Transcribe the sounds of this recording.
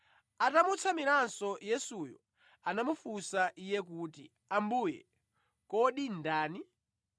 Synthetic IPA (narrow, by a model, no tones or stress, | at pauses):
atamut͡sʰamiɾansɔjɛsujɔ̰ | anamufusaʔijɛk̬uːtḭ | ambujɛ̰ | kɔɗindaːni